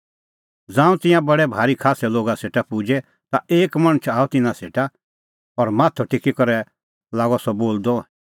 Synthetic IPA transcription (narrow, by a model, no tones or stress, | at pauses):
d͡zãːũt̪ɪ̃jãbɐɽɛbʱaːɾikʰaːsɛloːɡaseːʈapud͡ʒɛ | t̪aeːkmɐɽ̃ət͡ʃʰaːɔt̪ɪnãseːʈa | ɔɾmaːt̪ʰɔʈekikɔɾɛ | laːɡɔsɔboːld̪ɔ